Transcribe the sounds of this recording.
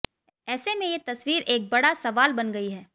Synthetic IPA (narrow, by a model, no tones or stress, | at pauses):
ɛːsemẽjet̪ɐswiːɾʔeːk̚bɐɽasɐʋaːlbɐnɡɐiɦɛː